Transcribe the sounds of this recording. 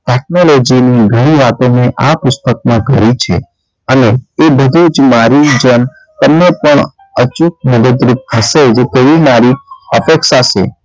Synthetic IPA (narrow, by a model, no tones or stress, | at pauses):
ʈɛk̚nolod͡ʒiniɡʱəɽ̃iʋat̪õneʔapʊst̪ək̚mãɡʱə̰ɾit͡ʃʰḛ | əneːbəd̪ʱud͡ʒmaɾid͡ʒən | t̪əmnapəɳ | ət͡ʃuk̚məd̪əd̪ɾup̚t̪ʰəʃed͡ʒet̪eʋimaɾiəpekʃaʃḛ